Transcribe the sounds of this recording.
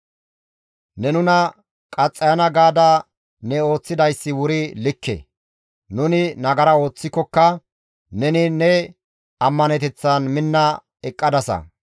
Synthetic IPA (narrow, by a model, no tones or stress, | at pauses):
nɛnʊnɐ | kʼɐt͡sʼːɐjɐnɐɡaːd̪ɐ | nɛo̞ːt͡sːɪd̪ɐjsːɪwʊɾɪlɪkːɛ̰ | nʊnɪnɐɡɐɾɐo̞ːt͡sːɪkːɔkːɐ | nɛnɪnɛ | ɐmːɐnɛt̪ɛt͡sːɐnmɪnːɐ | ɛkʼːɐd̪ɐsɐ̰